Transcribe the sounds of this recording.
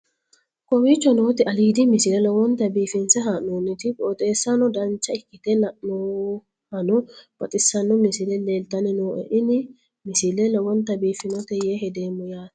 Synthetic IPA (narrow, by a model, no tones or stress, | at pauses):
kʼɔwiːt͡ʃːɔnoːt̪ɪɐliːd̪ɪmɪsɪlɛlɔwɔnt̪ɐbiːfɪnsɛɦaʔnoːnːɪt̪ɪpʼoːt̪ʼe̞ːsːɐnɔd̪ɐnt͡ʃːɐɪkːɪt̪ɛlɐʔno | hɐnɔb̥ɐt̪ʼɪsːɐnːɔmɪsɪlɛleːlt̪ɐnɛnoːʔɛ̰ʔɪnɪ | mɪsɪlɛlɔwɔnt̪ːɐbiːfɪnɔt̪ɛjɛhɛd̪eːmːɔjaːt̪